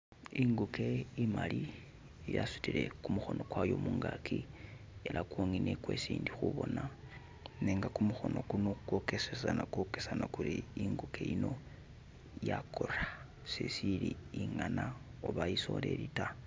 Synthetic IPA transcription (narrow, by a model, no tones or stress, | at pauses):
iŋɡuke̞imali | ijasu̥tile̞kumuxo̞no̞kwajo̞muːŋɡakʰi | elʔakwoŋinekwe̞siːndixuβo̞na | neːŋɡakumuxo̞nokunoukwo̞kesesanakokesanakuɾiiŋɡuke̞ino̞ | jakʰora | sesiliiŋanaoβajiso̞le̞lita